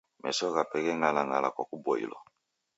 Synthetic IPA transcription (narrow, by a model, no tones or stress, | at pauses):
mɛ̰sɔɣapɛkɛŋalaŋɡala̰kwakubɔḭlɔ̰